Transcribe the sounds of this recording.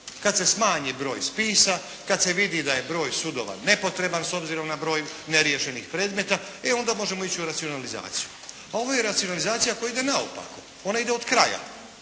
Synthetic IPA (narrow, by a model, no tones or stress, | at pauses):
kad̪se̞smaːɲibɾo̞̰ːjspiːsa | kad̪se̞ʋid̪id̪aje̞bɾo̞ːjsud̪o̞ʋa̰ne̞po̞t̪ɾe̞banso̞bziɾo̞mnabɾo̞ːjuneɾjeʃe̞nixpɾe̞ːd̪me̞t̪a | eo̞nd̪amo̞ʒe̞mo̞it͡ɕiuɾat̪sio̞naliza̰ːt̪siju | ao̞ʋo̞je̞ɾat̪sijo̞nalizaːt̪sijako̞jaid̪e̞nao̰pa̰ko̥ | o̞naid̪e̞o̞d̪kɾaja̰